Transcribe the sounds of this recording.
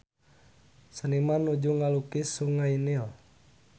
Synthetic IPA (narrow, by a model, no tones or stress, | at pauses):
sənimanud͡ʒuŋalukisuŋainil